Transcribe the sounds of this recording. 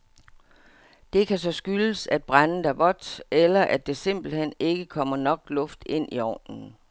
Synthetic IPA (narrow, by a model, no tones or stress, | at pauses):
d̥e̝kʰæsɒ̽sɡ̥yləsæd̥̚b̥ʁann̩d̥æɐʋɒ̽d̥elɐʔæd̥e̝se̝m̰b̥l̩hen̰e̝ɡ̥əkʰɒ̽m̰ɐnɒ̽ɡ̥lɔ̽fd̥e̝n̰ʔiɒ̰ːnn̩